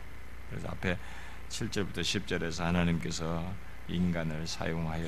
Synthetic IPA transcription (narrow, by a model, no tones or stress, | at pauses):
kɯɾesʰʌ̰a̰pʰe̞ | t͡ɕʰiɭt͡ɕ͈ʌɭbutʰʌɕʰip̚t͡ɕ͈ʌɾe̞s̬ʰʌhanaɲimk͈e̞sʰʌ | inɡanɯɭsʰa̰joŋɦajʌ